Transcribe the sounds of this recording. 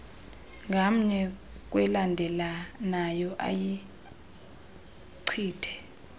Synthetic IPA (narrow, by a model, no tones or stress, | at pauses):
ŋɡʱam̩ɲɛk̬ʼwɛlandʱɛlanajɔʔa̰ji | ǀʰiːtʰɛ̥